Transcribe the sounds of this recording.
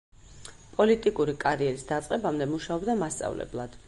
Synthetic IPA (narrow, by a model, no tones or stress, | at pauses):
pʼɔlit̪ʼikʼuɾikʼaɾiɛɾisd̪at̪sʼqʼɛbamd̪ɛmuʃaɔbd̪amast̪sʼa̰vlɛ̰blˠad̪̥